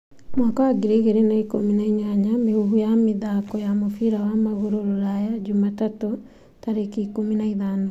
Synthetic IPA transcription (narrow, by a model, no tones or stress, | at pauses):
mwɔkawaɡiɾeɣeɾenaikominaiɲaɲamehuɣujamiðakɔjamofiɾawamaɣoɾoɾoɾajad͡ʒumatato | taɾekiːkominaiðano